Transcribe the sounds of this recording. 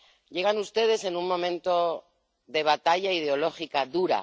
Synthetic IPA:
ɟ͡ʝe̞ɣ̞anust̪e̞ð̞e̞se̞nunmõ̞mẽ̞nt̪o̞ | ðe̞β̞at̪aʎaið̞eo̞lo̞xikaðuɾa̰

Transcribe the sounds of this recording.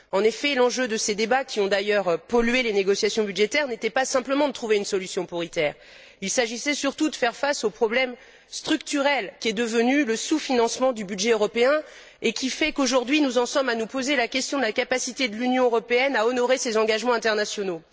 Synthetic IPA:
ɑ̃nefɛlɑ̃ʒød̪əsed̪ebakʲiɔ̃d̪ajœʁpɔlɥeleneɡɔsjasjɔ̃bydʒet̪ɛʁnet̪ɛpasɛ̃pləmɑ̃d̪ət̪χuveynsɔlysjɔ̃pɔʁit̪ɛːʁ | ilsaʒisɛsyʁt̪ud̪əfɛʁfasopχɔblɛm | st̪χykt̪yʁɛlkʲiɛd̪əvənyləsufinɑ̃smɑ̃d̪ybyd̪ʒɛøʁɔpeɛ̃ | ekʲifɛkoʒuʁd̪ɥinuzɑ̃sɔmanupozelakʲɛst̪jɔ̃d̪əlakapasit̪ed̪əlynjɔ̃øʁɔpeɛnaɔnɔʁesezɑ̃ɡaʒmɑ̃ɛ̃t̪ɛʁnasjɔno

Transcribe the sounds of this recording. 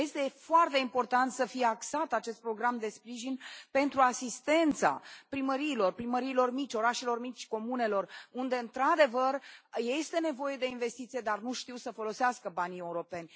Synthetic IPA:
je̞st̪e̞foart̪e̞impo̞rt̪ant̪səfijeaksat̪at͡ʃe̞st̪̚pɾo̞ɡɾamd̪e̞spɾiʒinʲpe̞nt̪ɾuasist̪e̞nt̪sa̰pɾiməɾiːlo̞rpɾiməɾiːlo̞rmit͡ʃʲo̞ɾaʃe̞lo̞rmit͡ʃʲko̞mune̞lo̞rund̪e̞ɨnt̪ɾad̪e̞vərjest̪e̞ne̞vo̞je̞d̪e̞inve̞st̪it̪sijed̪arnuʃt̪iwsəfo̞lo̞seaskəbanie̞uɾo̞pe̞nʲ

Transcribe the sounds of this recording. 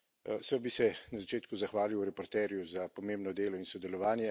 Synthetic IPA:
sɛbisɛnazat͡ʃeːt̪kuzaxʋaːliwɾɛpɔɾt̪ɛːɾjuzapɔmeːmbnɔd̪eːlɔinsɔd̪ɛlɔʋaːnjɛ

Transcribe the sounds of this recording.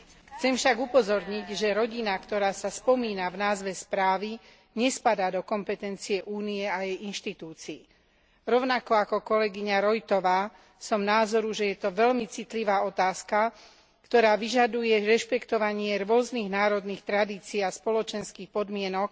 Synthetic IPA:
xt͡sɛmfʃaɡupɔzɔɾɲiɟʒɛɾɔɟinakt̪ɔɾaːsaspɔmiːnavnaːzʋɛspɾaːʋi | ɲɛspad̪aːd̪ɔkɔmpɛt̪ɛnt͡siɛʔuːniɛajɛjinʃt̪it̪uːt͡siː | ɾɔʊnakɔakɔkɔlɛɡiɲaɾɔjt̪ɔʋaː | sɔmnaːzɔɾuʒɛjɛt̪ɔʋɛʎmit͡sit̪liʋaːɔt̪aːska | kt̪ɔɾaːʋiʒad̪ujɛɾɛʃpɛkt̪ɔʋaɲɪɛɾʊɔzniːɣnaːɾɔd̪niːxt̪ɾad̪iːt͡siːaspɔlɔt͡ʃɛnskiːxpɔd̪mɪɛnɔk

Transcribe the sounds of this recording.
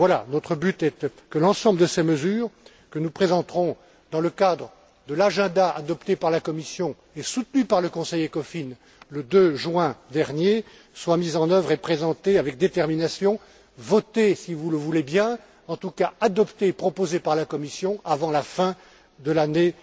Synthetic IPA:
vwala̰nɔt̪χəbyt̪ɛt̪ | kəlɑ̃sɑ̃bləd̪əseməzyːʁ | kənupχezɑ̃t̪χɔ̃ | d̪ɑ̃ləkad̪ʁə | d̪əlaʒɛ̃d̪aʔa̰d̪ɔpt̪epaʁlakɔmisjɔ̃ | esut̪nypaʁləkɔ̃sɛjekɔfin | ləd̪øʒɥɛ̃d̪ɛʁnje | swamizɑ̃nœvʁepχezɑ̃t̪eavɛk̚d̪et̪ɛʁminasjɔ̃ | vɔt̪esivuləvulebjɛ̃ | ɑ̃t̪ukaad̪ɔpt̪eːpχɔpozepaʁlakɔmisjɔ̃avɑ̃lafɛ̃ | d̪əlane

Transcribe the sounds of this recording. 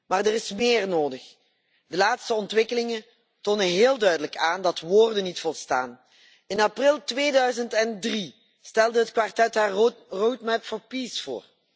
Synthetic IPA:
maːrdərɪsmɪːrnoːdəx | dəlaːtstəɔntʋɪkəlɪŋə | toːnənɦɪːlˠdœɥdələkaːndɑtʋoːrdənitfɔlˠsta̰ːn | ɪnaprɪlˠtʋeːdœɥzəntɛndri | stɛlˠdəɦətkʋartɛtɦaːrrowtmɛpfɔnpisfo̰ːr

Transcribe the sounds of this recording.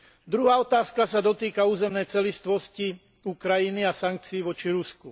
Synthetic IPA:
d̪ɾuɦaːɔt̪aːskasad̪ɔt̪iːkauːzɛmnɛjt͡sɛlist̪ʋɔsci | ukɾajiniasaŋk̚t͡siːʋɔt͡ʃiɾusku

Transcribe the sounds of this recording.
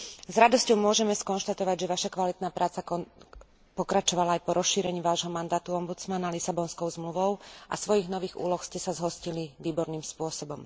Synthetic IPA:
zɾad̪ɔscɔʊmʊɔʒɛmɛskɔnʃt̪at̪ɔʋaɟʒɛʋaʃakʋalit̪naːpɾʔaːt͡sakɔ | pɔkɾat͡ʃɔʋalaajpɔɾɔsʃiːɾɛɲiːʋaːʒɦɔmand̪aːt̪uɔmbut͡smanalisabɔnskɔʊzmluʋɔʊʔa̰sʋɔjiɣnɔʋiːɣṵːlɔxscɛsazɦɔsciliʋiːbɔɾniːmspʊɔsɔbɔm

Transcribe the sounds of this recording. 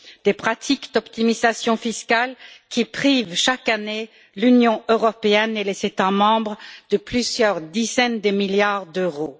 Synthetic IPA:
d̪̥epχat̪ʰikd̪ɔpt̪imizasjɔ̃fiskalkʲipχivʃakane | lynjɔ̃øʁɔpeɛnelez̥et̪amɑ̃bʁd̪̥əplyzjœʁd̪izɛnd̪əmiljaʁd̪øʁo

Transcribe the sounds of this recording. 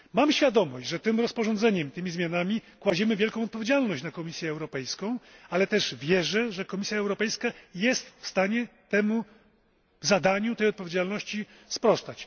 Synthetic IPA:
mamɕfʲjad̪ɔmɔɕd͡ʑʐɛt̪ɘmɾɔspɔʐɔnd̪zɛɲɛmt̪ɘmʲizmʲjanamʲikwad͡ʑɛmɘvʲjɛlkɔ̃w̃ɔt̪̚pɔvʲed͡ʑalnɔɕt͡ɕnakɔmʲisʲjɛːwɾɔpɛjskɔ̃w̃alɛt̪ɛʐvʲjɛʐɛʐɛkɔmʲisʲjaɛwɾɔpɛjskajɛst̪fst̪aɲɛt̪ɛmu | zad̪aɲut̪ɛjɔt̪̚pɔvʲjed͡ʑalnɔɕt͡ɕi | spɾɔst̪at͡ɕ

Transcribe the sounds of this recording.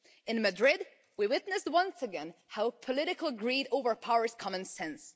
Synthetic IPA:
ɨ̃nmɨdɹɪd | wiwɪt̪nɨst̚wʌ̃nsɨɡɛ̃nhaʊpʰəlɪɾɨkəlˠɡɹiɾoʊvə˞pʰaʊə˞z̥kʰɑmə̃nsɛ̃ns

